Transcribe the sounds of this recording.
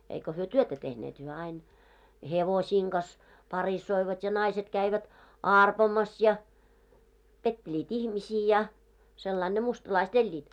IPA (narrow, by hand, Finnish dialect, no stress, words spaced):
eiko hyø tyøtæ tehneːt hyø ɑin heʋosiːŋ ɡ̊ɑs pɑrisːoiʋɑt jɑ nɑiset kæiʋæt ɑˑrpomɑs jɑ petːelʲiːt ihmisiː jɑ selːɑin ne mustlɑist elʲːiːt